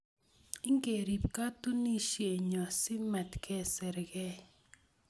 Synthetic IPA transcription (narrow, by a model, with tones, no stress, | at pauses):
i˦ŋɡe˨ɾi˨pka˦t̪u˦ni˦ʃje˨ɲɔ˨sɪ˦mɛ˨t̪kʰɛ˦sɛ˨ɾɡɛ˦